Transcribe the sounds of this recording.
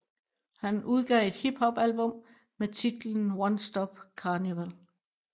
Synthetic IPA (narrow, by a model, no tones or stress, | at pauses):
hænuð̞ˠɡ̥ɛ̰ːe̝d̥hib̥hɒ̽b̥ælb̥ɔ̽m | met͡sʰid̥ln̩wɒnsd̥ɒb̥̚kʰɑ̈ːniʋæl